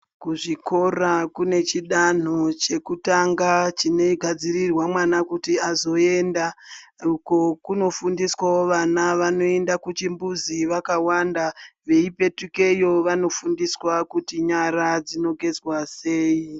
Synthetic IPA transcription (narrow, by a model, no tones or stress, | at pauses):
kuʐiko̞rakune̞t͡ʃiɗan̤o̞t͡ʃe̞kutaŋɡat͡ʃine̞iɡʱad͡zirirwamwanakutiazo̞e̞nda | uko̞kuno̞fundiswaoʋanaʋano̞e̞ndakut͡ʃimbuziʋakawandaʋe̞ipe̞tuke̞jo̞ʋano̞fundiswakutiɲaɾad͡zino̞ɡʱe̞d͡zwase̞ːi